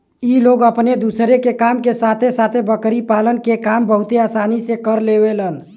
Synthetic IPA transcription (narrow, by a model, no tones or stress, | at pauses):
iloɡəpned̪usɾekekamkesat̪ʰesat̪ʰebəkɾipalənkekambəɦut̪easanisekəɾlebelən